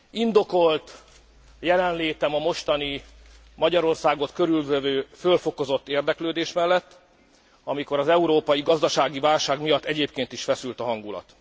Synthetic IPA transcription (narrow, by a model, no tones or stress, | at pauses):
ind̪oko̞lt̪ | jɛlɛnleːt̪ɛmɒmo̞ʃt̪ɒni | mɒɟɒɾo̞rsaːɡo̞t̪køɾylvɛvøːfølfo̞ko̞zo̞t̪ːeːrd̪ɛkløːd̪eːʃmɛlːɛt̪ː | ɒmiko̞ɾɒzɛuɾoːpɒjiɡɒzd̪ɒʃaːɡivaːlʃaːɡmijɒt̪ːɛɟeːpkeːnt̪iʃfɛsylt̪ɒɦɒŋɡulɒ̰t̪